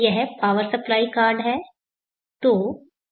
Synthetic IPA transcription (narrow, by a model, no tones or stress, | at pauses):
jɛɦɛpaːʋəɾsɐplaːikaːɾɖɦɛː | t̪oː